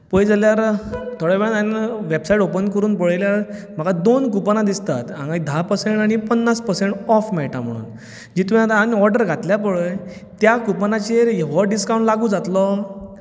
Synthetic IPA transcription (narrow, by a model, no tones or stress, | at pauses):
pəjd͡zaljaɾt̪ʰoɽeʋeɭanʋebsaiʈopənkəɾuːnpəɭjljaɾm̤aɡad̪onkupanãd̪ist̪a̰t̪ã̰ŋɡaid̪ʱapəseɳʈaɽ̃ipənːaspəseɳʈɔfmɛʈam̤ə̰ɽ̃ṵːn | d͡ʑit̪ʋat̪anɔɾɖəɾɡʱat̪ljap̬əɭəj | t̪jakupanat͡ɕeɾɦeʋɔɖiskaw̃ɳʈlaɡũːd͡zat̪lɔ